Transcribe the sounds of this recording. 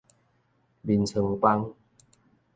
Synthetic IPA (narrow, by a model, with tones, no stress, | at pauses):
bi˨nsʰə˨˧˩ŋpa˧˦ŋ